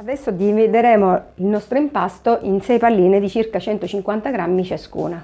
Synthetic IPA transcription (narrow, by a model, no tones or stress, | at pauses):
ad̪ɛsːod̪iɱvid̪eɾɛːmoilnɔst̪ɾoimpast̪oʔinsɛjpalːiːned̪it͡ʃirkat͡ʃɛnt̪ot͡ʃiŋkwant̪aɡɾamːit͡ʃaskṵːna